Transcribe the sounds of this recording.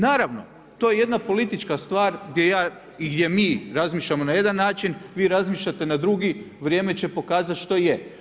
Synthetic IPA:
naːɾaʋno̞ | t̪o̞je̞je̞d̪napo̞lit̪it͡ʃkast̪ʋaːɾɡd̪je̞jaː | iɡd̪je̞miːɾazmiːʃlʎamo̞naje̞d̪anːaːt͡ʃinʋiːɾazmiːʃʎat̪e̞nad̪ɾuɡi | ʋɾjeːme̞t͡ɕe̞po̞kaːzat̪ʃt̪o̞je

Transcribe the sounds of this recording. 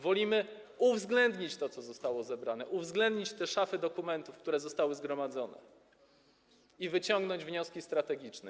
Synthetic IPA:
vɔlʲimɘ | uvzɡlɛnd̪ɲit͡ɕt̪ɔt̪sɔzɔst̪awɔzɛbɾanɛʔuvzɡlɛnd̪ɲit͡ɕt̪ɛʂafɘd̪ɔkumɛnt̪ufkt̪uɾɛzɔst̪awɘzɡɾɔmad̪zɔnɛ̰ | ivɘt͡ɕɔŋɡnɔɲd͡ʑvɲɔskʲist̪ɾat̪ɛɡʲit͡ʂnɛ

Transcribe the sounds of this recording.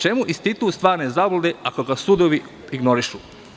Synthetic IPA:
t͡ʃemuʔist̪it̪ust̪ʋaːɾnezablod̪eakoɡasud̪oʋi | iɡnoɾiʃu

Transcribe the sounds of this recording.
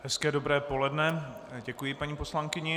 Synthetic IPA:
hɛskɛːdobɾɛːpo̞lɛdnɛɟɛkujɪpaɲiːpo̞slaŋkɪɲɛ

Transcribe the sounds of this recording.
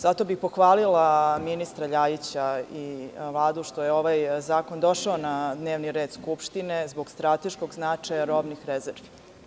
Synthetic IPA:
zat̪o̞bixpo̞xʋaːlilaminist̪ɾaʎajit͡ɕaiʋlˠaːd̪uʃt̪o̞jeo̞ʋajzaːko̞nd̪o̞ʃaonad̪ne̞ːʋniɾeːd̪skupʃt̪ine̞zbo̞ɡst̪ɾat̪eʃkoɡznat͡ʂajaɾobnixɾezeɾʋi̥

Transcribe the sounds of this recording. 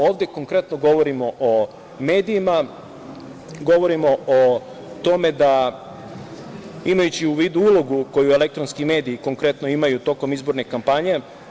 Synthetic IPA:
o̞ːʋd̪ʲe̞ko̞ŋkɾe̞t̪noɡo̞ʋo̞ɾimo̞ʔo | me̞ːd̪ijima | ɡo̞ʋo̞ɾimoo | t̪o̞me̞d̪a | imajut͡ɕiuʋiːd̪uulo̞ɡuko̞jue̞le̞k̚t̪ɾo̞nskime̞ːd̪iːko̞ŋkɾe̞t̪no̞imajut̪o̞ko̞mizbo̞ɾne̞kampaɲe̞

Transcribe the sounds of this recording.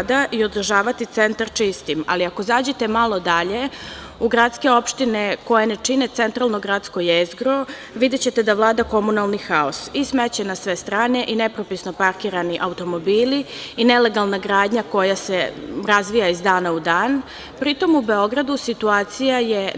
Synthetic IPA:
d̪aʔio̞d̪r̩ʒaːʋat̪it̪se̞nt̪aɾt͡ʃist̪ima̰liako̞zaːd͡ʑe̞t̪e̞malˠo̞d̪aʎe̞ | uɡɾat̪ske̞o̞pʃt̪ineko̞jane̞t͡ʂine̞t̪se̞nt̪ɾalˠno̞ɡɾat̪skojezɡɾo | ʋid̪et͡ɕe̞t̪ed̪aʋlˠaːd̪ako̞munalˠnixao̰sismet͡ɕenasʋe̞st̪ɾaːne̞ʔinepɾopisno̞paɾkiːɾaniʔaut̪o̞mo̞biːliinele̞ɡalˠnaɡɾaːd̪ɲako̞jase̞ɾazʋijaizd̪aːnaud̪aːn | pɾit̪o̞mube̞o̞ɡɾad̪usit̪uaːt̪sijaje

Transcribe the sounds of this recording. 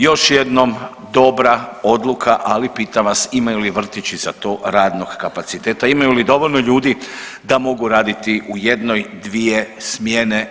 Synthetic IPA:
jo̞ʃje̞d̪no̞m | d̪o̞bɾao̞d̪lˠukʰaʔalipiːt̪aʋasimajuliʋr̩t̪it͡ʃizat̪o̞ːɾaːd̪no̞ɡkapat̪sit̪e̞ːt̪aimajulid̪o̞ʋo̞ʎno̞ʎuːd̪id̪amo̞ɡuɾaːd̪it̪iʔujed̪no̞jd̪ʋije̞smjene̞

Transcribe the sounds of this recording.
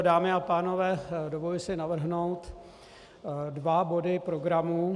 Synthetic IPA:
daːmɪapaːno̞vɛːdovolɪsɪnavr̩ɦno̞wt̪ | dvabo̞dɪpɾoɡɾamuː

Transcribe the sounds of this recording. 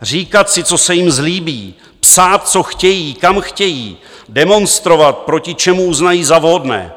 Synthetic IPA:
r̝iːkat̪sɪt͡so̞sɛjɪmzliːbiː | psaːt̪̚t͡so̞xcɛjiːkamxcɛjḭː | dɛmo̞nst̪ɾo̞vat̪̚pɾo̞cɪt͡ʃɛmuuznajiːzavɦodnɛ̰ː

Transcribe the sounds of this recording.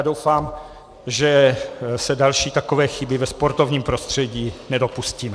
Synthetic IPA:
adowfaːm | ʒɛsɛdalʃiːt̪akovɛːxɪbɪvɛspo̞ɾt̪ovɲiːmpɾo̞st̪r̝̥ɛɟiːnɛdo̞pusciːmɛ

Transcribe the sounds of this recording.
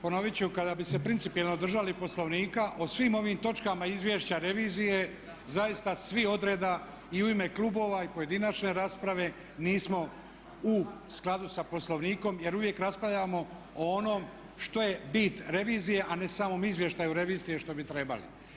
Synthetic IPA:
po̞no̞ʋit͡ɕuukad̪abise̞pɾint̪ipijelˠno̞d̪r̩ʒalipo̞slˠo̞ʋniːkaʔosʋiːmo̞ʋiːmt̪o̞t͡ʃkamaizʋje̞ʃt͡ɕaɾe̞ʋiːzije̞ | zajist̪asʋio̞d̪ɾe̞ːd̪a | iuime̞klubo̞ːʋaipo̞je̞d̪inat͡ʃne̞ɾaːspɾaʋe̞ | niːsmo̞ | usklˠad̪usapo̞slˠoʋniːko̞mje̞ɾuʋje̞kɾaspɾaʋʎamo̞ | oono̞ːm | ʃt̪o̞je̞bit̪ɾe̞ʋiːzije̞ʔane̞samo̞ːmizʋje̞ʃt̪ajuɾe̞ʋiːzije̞ʃt̪o̞bit̪ɾe̞ba̰lḭ

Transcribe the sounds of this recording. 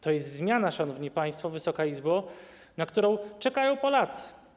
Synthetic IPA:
t̪ɔjɛst̪zmʲjanaʂanɔvɲipaj̃st̪fɔvɘsɔkaizbɔ | nakt̪uɾɔ̃w̃t͡ʂɛkajɔ̃w̃pɔlat̪sɘ̥

